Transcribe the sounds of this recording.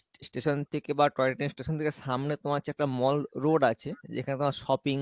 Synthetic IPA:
sʈeʃont̪ʰekebaʈɾɔjleʈensʈeʃont̪ʰekeʃamnet̪omaɾt͡ɕʰɛk̚ʈamɔlɾoɖat͡ɕʰed͡ʑḛkʰanet̪omaɾʃɔpiŋ

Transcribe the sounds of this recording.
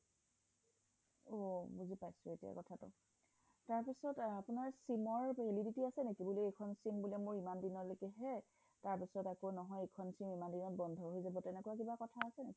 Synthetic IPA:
obuzipajsʊetija̰kɔtʰatʊ̰ | taɹpisɔtapʊnaɹsimɔɹbɦelibitiasɛnekibuliekʰɔnsimbulɛmʊɹimandinɔlokɛɦɛ | taɹpisɔtakonɔɦɔjekʰɔnsimimandinɔt̚bɔndʱɔɦojzabɔtɛnɛkɔwak̬ibakɔtʰaːsɛneki

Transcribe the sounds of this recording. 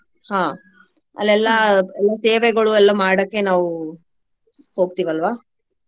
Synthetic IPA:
hãː | ɐ̰lːɛlːɐɛlːaseːʋeɡɐɭuɛlːɐmaːɽɐkːe̞naːʋu | ho̞ːɡ̚t̪iːʋɐlʋaː

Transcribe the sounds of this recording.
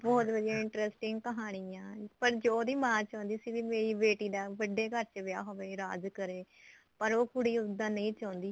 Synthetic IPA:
bɔːt̪ʋəd̪iãːɪɳʈɾɛsʈɪŋɡkəɦaːɽ̃iːãːpəɾd͡ʒoːd̪iːmãːt͡ʃãːnd̪iːsiːʋiːmeːɾiːbeːʈiːd̪aːʋəɖːeːkəɾt͡ʃʋɪja̰ːɦoʋeːɾaːd͡ʒkəɾeː | pəɾoːkʊɽiːʊd̪ːãːnəĩːt͡ʃãːnd̪iː

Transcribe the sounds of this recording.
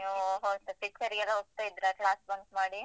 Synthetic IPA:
oɦoːt̪ɐpikt͡ʃɐɾiɡɛlːɐɦoːɡ̚t̪aːjid̪ɾeʈɭaːsbɐnsmaːɽi

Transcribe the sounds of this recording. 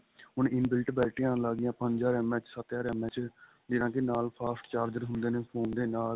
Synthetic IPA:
ɦʊnɪnbɪlʈbɛːlʈijãːlaːɡɪjãːpəɲd͡ʒaːɾɛːmɛ̃ːt͡ʃsət̪jaːɾɛːmɛ̃ːt͡ʃ | d͡ʒɪnãːkɪnaːlpʰaːsʈt͡ʃaːɾd͡ʒəɾɦʊ̃nd̪eːneːpʰoːnd̪eːnaːl

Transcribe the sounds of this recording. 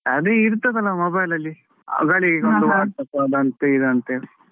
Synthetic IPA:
ɐd̪eiɾt̪ɐd̪ɐlːɐmobɐjlɐlːi | a̰ɡɐɭiɡeond̪uʋaːʈ̪ɐkaːd̪ɐnt̪eid̪ɐnt̪e

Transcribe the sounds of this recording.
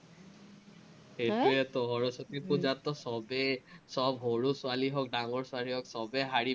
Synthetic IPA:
et̪ɔɹɛt̪ɔɦɔɹɔsɔt̪ipud͡ʒat̪ːɔsɔbɛsɔbɦoɹusʊaliɦɔk̚ɖaŋɔɹsaliɦɔksɔbɛɦaɹi

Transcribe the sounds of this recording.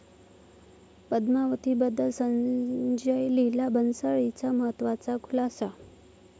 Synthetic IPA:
pəd̪maʋət̪iːbəd̪ʱːəsənd͡ʑəjlilabʱənsəɭit͡saməɦət̪ʋat͡sakʰulasa

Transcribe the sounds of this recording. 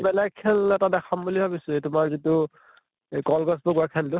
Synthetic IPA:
bɛlɛɡ̚kʰːɛlɛtadɛkʰambulibʱabisʊɛtʊmaɹzitʊ | kɔlɡɔsbɔɡakʰɛldʊ

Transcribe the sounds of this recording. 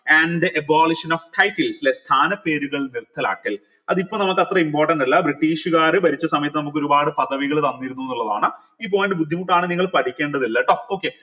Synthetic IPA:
ɐɳɖɨʔɐbaːliʂɐnoːfʈʰɐjʈːɐlslest̪ʰaːnɐpːe̞ːɾuɣɐɭnirt̪ʰːɐla̰ːkːil | ɐðipːoːnɐmukːɨɐt̪rɐimpoːrʈːɐɳɖilːɐbriʈːiːʂuɣaːrɨbɐɾit͡ɕːɐsɐmɐjɐt̪ːɨnɐmukːo̞ɾubaːɽɨpɐðɐʋiɣɐɭt̪ɐnːiɾunːuenːuɭːɐðaːɳɨ | iːp̬ːo̞ːjɐnɖebud̪ʱːimuʈːaːɳɨniŋːɐɭpɐʈʰikʲːe̞ːɳɖɐðilːɐʈooːkːe

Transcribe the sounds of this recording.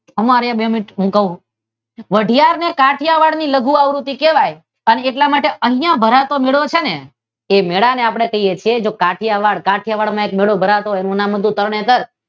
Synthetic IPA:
əmaɾabemiʈɦũkəɦũ | ʋəɖʱijaɾnekaʈʰijaʋaɽniləɡuaʋɾut̪ikeʋaj | əneeʈlamaʈeʔəɦĩjãbʱəɾat̪omeɭot͡ʃʰene | emeɭaneapɽ̃ekəɦijet͡ʃʰied͡ʒokaʈʰijaʋaɽkaʈʰijaʋaɽmãek̚meɭobʱəɾat̪oenũnãmɦəd̪ũt̪əɾɳẽt̪əɾ

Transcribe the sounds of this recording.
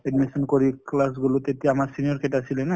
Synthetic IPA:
ɛɖmisɔnkɔɹiklasɡulot̪etijaamaɹsinijɔɹketasilɛna

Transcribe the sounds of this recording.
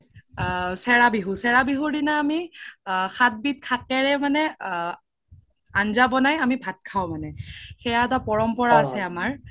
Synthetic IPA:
sɛɹabiɦusɛɹabiɦudinaːmi | xat̚bit̚kʰakɛɹɛmanɛ | anzabɔnajamibʱat̚kʰawmanɛxɛjaɛtapɔɹɔmpɔɹaːsɛamaɹ

